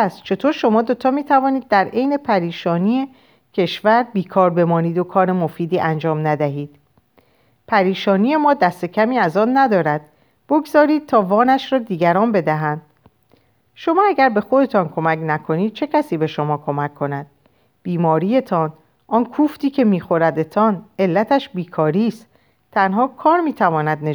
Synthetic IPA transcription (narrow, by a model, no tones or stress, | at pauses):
æst͡ʃʰe̞t̪ʰoːɾʃo̞mɒːd̪o̞t̪ʰɒːmiːt̪ʰævɒːniːd̪̚ːæɾʔe̞jne̞pʰæɾiːʃɒːnije | cʰe̞ʃvæɾbiːkʰɒːɾbe̞mɒːniːd̪okʰɒːɾemo̞fiːd̪iːʔænd͡ʒɒːmnæd̪æɦiːd̪̥ | pʰæɾiːʃɒːnije̞mɒːd̪æst̪e̞cʰæmiːæzɒːnːæd̪ɒːɾæd̪̥ | b̥o̞ɡzɒːɾiːd̪̚t̪ʰɒːvɒːnæʃɾɒːd̪iːɡæɾɒːnbe̞d̪æɦænd̪̥ | ʃo̞mɒːæɡæɾbe̞xo̞d̪e̞t̪ʰɒːnkʰo̞mæcʰnækʰo̞niːd̪̥̚t͡ʃʰe̞cʰæsiːbe̞ʃo̞mɒːkʰo̞mækʰːo̞næd̪̥̚ | b̥iːmɒːɾije̞t̪ʰɒːn | ʔɒːnkʰuːft̪iːcʰe̞miːxo̞ɾæd̪et̪ʰɒːne̞lːæt̪ʰæʃbiːkʰɒːɾiːst̪ | t̪ʰænɦɒːkʰɒːɾmiːt̪ʰævɒːnæd̪ne